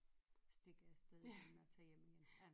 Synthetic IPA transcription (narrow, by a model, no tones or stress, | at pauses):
sd̥e̝ɡ̥ɐjasd̥eðˠemeɐt͡sʰɛ̰ːjem̰iɡ̥enæ